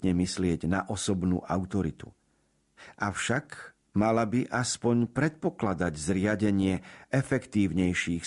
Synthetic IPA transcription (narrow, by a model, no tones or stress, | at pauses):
ɲɛmislɪɛɟnaʔɔsɔbnṵːʔaʊt̪ɔɾit̪ṵ | ʔafʃak | malabiʔaspɔɲpɾɛt̪̚pɔklad̪aɟzɾɪaɟɛɲɪɛʔɛfɛkt̪iːʊɲɛjʃiːx